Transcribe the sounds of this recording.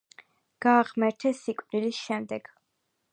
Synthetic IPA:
ɡ̥aːʁmɛɾt̪ʰɛsikʼvnilisʃɛmd̪ɛɡ̥

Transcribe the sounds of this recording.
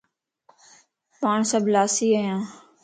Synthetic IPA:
paːɳsəblaːsiːəjãː

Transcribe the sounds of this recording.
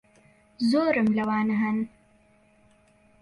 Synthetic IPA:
zoːɾɐmlɐwaːnɐɦɐn

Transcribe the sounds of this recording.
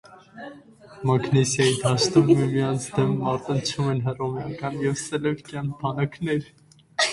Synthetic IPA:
mɑknɛsjɑjid̪ʰɑʃt̪ummimijɑnt͡sʰd̪ɛmmɑɾt̪ənt͡ʃʰumɛnɦərɔmjɑkɑnjɛvsɛlɛvkjɑnbʰɑnɑknɛɾ

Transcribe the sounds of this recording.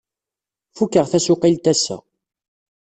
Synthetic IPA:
fukːəʁθæsʊqilt̪æsæ̰

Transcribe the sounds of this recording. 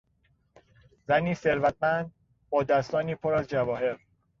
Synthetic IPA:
zæniːse̞ɾvæt̪̚mænd̪̚ | bɒːd̪æst̪ɒːniːpʰoɾæzd͡ʒævɒːhe̞ɾ

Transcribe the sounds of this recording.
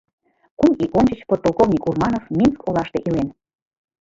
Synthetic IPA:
kumiʔonʲt͡ɕət͡ɕpot̪ːolˠkovnʲikurmɑnofminskʰolɑʃt̪eʔilen

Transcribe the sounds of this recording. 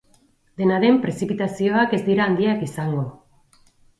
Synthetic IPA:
d̪e̞naðe̞mpɾe̞sipit̪asio̞ake̞zd̪iɾaːnd̪iakisaŋɡo̞

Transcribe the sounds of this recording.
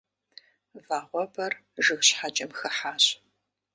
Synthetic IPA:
vaːʁʷɔbɐrʒɨɣɕħat͡ʃʼɐmxɨħaːɕ

